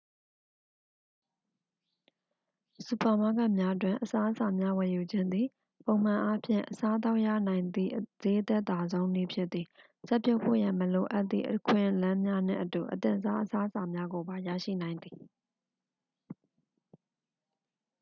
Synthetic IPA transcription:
su˨pa˨ma˦˨ɡã˦˨mja˦ʔt̬wɪ̃˨ʔəsa˦ʔəsa˨mja˦wɛ˨ju˨d͡ʑɪ̃˦nd̪ði˨ | põ˨ʊ̃m̥ã˨ʔa˦pʰjɪ̰̃˦˨ʔəsa˦ʔt̪̬a˦ʊʔjä̰˦˨nã˨ɪ̃nd̪ḭ˦˨ʔz̥e˦ʔt̪ɛ˦ʔt̪a˨zõ˦ʊ̃ni˦˨pʰjɪ˦t̪ːi˨ | sɛ˦pjɔ˦pʰo̰˦˨jã˨məlo˨ʔa˦ʔt̪ːḭ˦˨ʔəkʰwɪ̰̃˦˨ʔlã˦mja˦n̥ɪ̰̃˦˨ʔətu˨ʔət̪ɪ̰̃˦˨ʔəsa˦ʔəsa˦ʔəsa˨mja˦ɡo˨ba˨ja̰˦˨ʃḭ˦˨nã˨ɪ̃nd̪ði˨

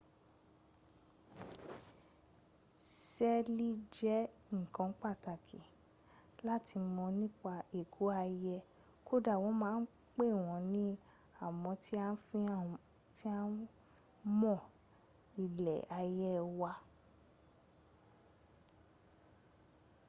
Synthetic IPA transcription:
sɛ˦li˦d͡ʒɛ˦ŋ̩˨kã˨˧˦k͡pa˦˨ta˨kʰi˨ | la˦ti˧mɔ̃˧nĩ˦k͡pa˧e˨kʰu˨˦a˧jɛ˧ | ko˦da˦˨wɔ̃˨˦mãː˦n̩˦ | k͡pe˦˨w̃ɔ̃˨˧˦nĩ˦ | a˦˨mɔ̃˧tʰi˦a˦˧n̩˦fĩ˦ | ti˦a˦n | mɔ̃˦˨ | i˨lɛ̰˨a˧jɛ˧wa˧

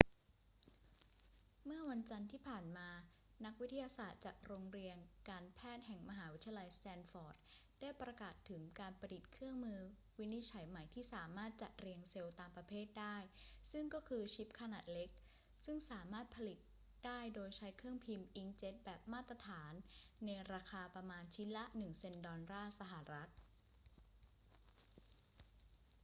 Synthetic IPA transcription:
mɯ˥˩ɐwa˧nt͡ɕa˧nt̪ʰiː˥˩pʰaː˨˩nmaː˧ | na˦˥k̚wi˦˥t̪ʰːa˧jaː˧saː˨˩t̪̚t͡ɕaː˨˩k̚ɾoː˧ŋɾi˧ənkaː˧npʰɛː˥˩t̪̚ɦɛ˨˩ŋma˧ɦaː˩˦wi˦˥t̪ʰa˧ja˧la˧jst̪ɛː˧nfɔː˨˩t̪̚ | d̥aː˥˩jpɾa˧kaː˨˩t̪ʰːɯ˩˦ŋkaː˧npa˧di˨˩t̪̚kʰɯ˥˩əŋmɯː˧ | wi˦˥ni˦˥t̪̚t͡ɕʰa˩˦jma˨˩jt̪ʰiː˥˩saː˩˦maː˥˩t̪̚t͡ɕa˨˩t̪̚ɾi˧əŋse˧wt̪aː˧mpɾa˧pʰeː˥˩t̪̚daː˥˩jsɯ˥˩ŋkɔː˥˩kʰɯː˧t͡ɕʰi˦˥p̚kʰa˧naː˨˩t̪̚le˦˥k̚ | sɯ˥˩ŋsaː˩˦maː˥˩t̪̚pʰa˧li˨˩t̪̚ | d̥aː˥˩jdoː˧jt͡ɕʰa˦˥jkʰɯ˥˩əŋpʰi˧mʔi˦˥ŋt͡ɕe˦˥t̪̚bɛː˨˩p̚maː˥˩t̪ːɾa˧t̪ʰaː˩˦nːa˧jɾaː˧kʰaː˧pɾa˧maː˧nt͡ɕʰi˦˥la˦˥nɯ˨˩ŋse˧ndɔː˧nɾaː˥˩sa˧ɦa˨˩ɾa˦˥t̪̚

